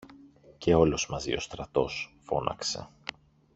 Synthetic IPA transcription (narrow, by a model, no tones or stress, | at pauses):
ce̞o̞lo̞zmɐzḭo̞st̪ɾɐt̪o̞sfo̞nɐ̰kse̞̰